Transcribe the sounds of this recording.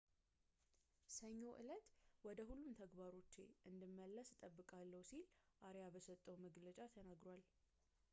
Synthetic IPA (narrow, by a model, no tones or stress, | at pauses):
səɲːo̞ʔɨlət̪wɔd̪əhulːumt̪ʰəɡbaɾo̞t͡ʃːḛʔɨnd̪ɨmːəlːəst̪ʼəbːɨkʼalːəwsilʔaɾjabəsət̪ʼːəwməɡlət͡ʃʼat̪ʰənaɡɾoal